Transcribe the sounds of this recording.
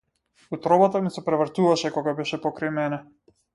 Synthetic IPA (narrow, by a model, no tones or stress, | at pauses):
ut̪ɾɔbat̪amisɛpɾɛvr̩t̪uvaʃɛkɔɡabɛʃɛpɔkɾajmɛnɛ